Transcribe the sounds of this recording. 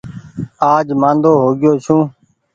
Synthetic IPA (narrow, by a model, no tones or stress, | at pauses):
aːd͡ʒmãːnd̪oːɦoːɡɪjoːt͡ʃʰũː